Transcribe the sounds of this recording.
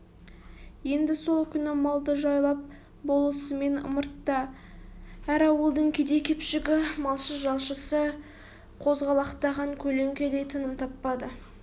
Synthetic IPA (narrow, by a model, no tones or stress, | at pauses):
je̞nd̪ɪso̞lˠkʲʰʏnɪmɑlˠd̪əʒɑjlˠɑp̚ | bo̞lˠəsəme̞nə̰məɾt̪ːɑ | æɾɑwəlˠd̪əɴkʲʰed̪e̞kʲʰe̞pʃɪɡʲɪmɑlˠʃəsʒɑlˠʃəsə | qʰo̞zʁɑlˠɑqt̪ɑʁɑɴkʲʰɵle̞ŋkʲe̞d̪e̞jt̪ʰənəmt̪ʰɑpːɑd̪ə